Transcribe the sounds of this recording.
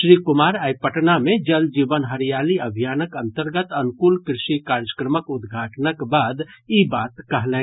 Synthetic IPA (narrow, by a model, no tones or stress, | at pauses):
ʃɾiːkʊmaːɾaːjpəʈnamẽd͡ʒəld͡ʒiːʋənɦəɾijaːliɐbʱijaːnəkɐ̃nt̪əɾɡət̪ɐnʊkuːlkɾɪʃikaːɾjəkɾəməkʊd̪ɡʱaːʈnəkbaːd̪ibaːt̪kɐɦlẽː